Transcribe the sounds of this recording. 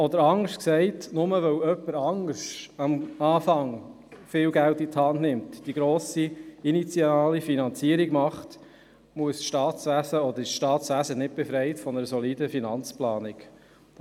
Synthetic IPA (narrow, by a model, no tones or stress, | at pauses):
ɔd̪əɾɑŋəʃtksɛɪtnʊməʋœwœpːəɾɑŋəʃɑmɑːfɑŋ | fɪːlɡæltit̪hɑndnɪmtd̥iɡɾoːsiinit͡sjɑːlifinɑnt͡siəɾiɡ̥mɑχt | muəsʃtɑːt̪sʋæzəɔd̪əɾɪsʃtɑːt̪sʋæzənɪt̚b̥efɾɛɪtfɔnəɾəsɔliːdəfinɑnt͡splɑːnɪk